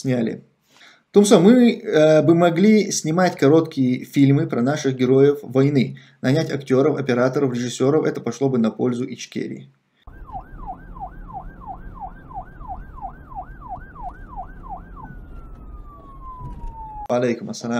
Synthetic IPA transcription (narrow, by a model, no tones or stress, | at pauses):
sʲnʲalʲɪ̰ | t̪umsomɨəbɨmɐɡlʲisʲnʲɪmatʲkɐɾo̞t̪kʲɪjəfʲilʲmɨpɾɐnaʂɨxɡʲɪɾo̞jəfvɐjnɨ | nɐnʲætʲɐktʲo̞ɾəfɐpʲɪɾat̪əɾəfɾʲɪʐɨsʲːo̞ɾəfɛt̪əpɐʂlˠo̞bɨnɐpolʲzʊʔɪt͡ʃkʲḛɾʲɪ̰ | vɐɐlʲejkʊmɐsːɐla